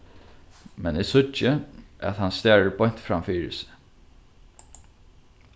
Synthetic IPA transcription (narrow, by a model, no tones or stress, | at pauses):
mɛnɛsʊəʔæ̰ðhanst̪æːɹəɹbɔjɲ̥t̪fɾamfiːɹɪ̰sɪ̥